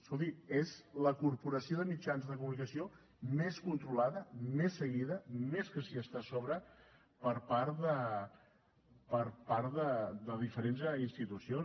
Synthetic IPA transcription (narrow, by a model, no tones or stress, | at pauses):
solt̪iezləkuɾpuɾəsioðəmid͡ʒanzðəkumunikəsio | meskunt̪ɾulaðəmesːəɣiðəmeskəsiəst̪asɔβɾə | pəɾpaɾðə | pəɾpaɾðəd̪əðifəɾenzəinst̪it̪usion